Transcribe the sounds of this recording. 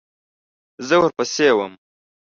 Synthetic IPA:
zəwɐɾpəsewəm

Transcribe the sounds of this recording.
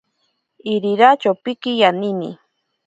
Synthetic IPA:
ɪɾiɾat͡ʃawpɪkɪjanɪnḭ

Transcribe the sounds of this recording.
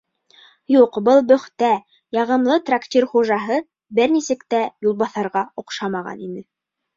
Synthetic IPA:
juqbɤlˠbɵ̆χt̪æ | jɑʁɤ̆mlˠɤt̪rakt̪ʲirχuʒɑɦɤ | bɘɾnisɘ̆kt̪æjulˠbɑθɑɾʁɑŏqʃɑmɑʁɑ̰ninɘ

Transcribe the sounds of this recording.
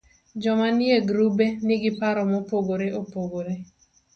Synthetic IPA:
d͡ʒɔmanieɡɾubenɪɡɪpaɾɔmɔpoɡoɾeʔopoɡoɾe

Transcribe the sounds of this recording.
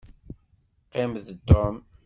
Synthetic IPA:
qːɪmðt̪ɔm

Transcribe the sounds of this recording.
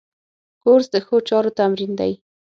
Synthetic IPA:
koɾzd̪əxot͡ʃɑɾot̪amɾind̪a̰j

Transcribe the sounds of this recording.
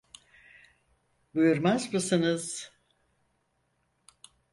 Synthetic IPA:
bujuɾmazmɯsɯnɯz̥

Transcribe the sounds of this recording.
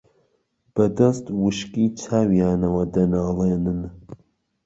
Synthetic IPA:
b̥ɐd̪ɐst̪wɨʃkiːt͡sʰaːwjaːnɐwɐd̪ɐnaːleːnɨn

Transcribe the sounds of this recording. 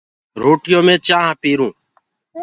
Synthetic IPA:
ɾoːʈɪjõːmẽːt͡ʃãːɦpiːɾũː

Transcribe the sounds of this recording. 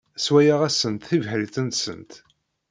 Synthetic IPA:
swæjaʁæsənt̪θivhəlθənt̪sə̰nt̪

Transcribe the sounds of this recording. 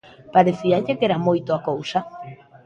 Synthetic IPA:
paɾeθiaʎekeɾamojt̪oakowsa

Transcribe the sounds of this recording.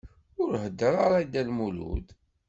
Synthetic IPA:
ʊɾɦəd̪ːəɾˤaɾˤad̪ælmulṵd̪

